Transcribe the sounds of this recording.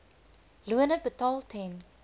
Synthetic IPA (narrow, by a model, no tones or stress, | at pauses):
luənəbətɑlˠtʰɛn